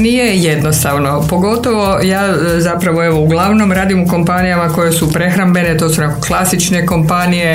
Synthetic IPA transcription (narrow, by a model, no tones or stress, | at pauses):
nijejed̪nost̪aʋnopo̞ɡo̞t̪oʋo̞ | jaː | zapɾaʋoe̞ʋouɡlˠaʋno̞mɾaːd̪imuko̞mpanijamako̞jesupɾe̞xɾambe̞net̪osunekoklˠasit͡ʃneko̞mpanije